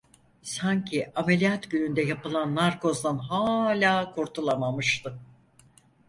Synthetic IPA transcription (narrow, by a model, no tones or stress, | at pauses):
saɲcʰiame̞lʲijat̪ɟynynd̪ɛjapɯlˠanːaɾko̞zd̪anɦaːlʲaːkʰuɾt̪ʰulˠamamɯʃt̪ʰɯ